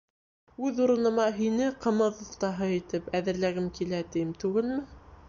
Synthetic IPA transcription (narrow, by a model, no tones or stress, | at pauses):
ʉðuɾɤ̆nɤ̆mɑɦinɘqɤ̆mɤðŏft̪ɑɦɤit̪ɘpæðɘ̆ɾlæɡɘmkilæt̪ijɘmt̪ʉɡɘlmɘ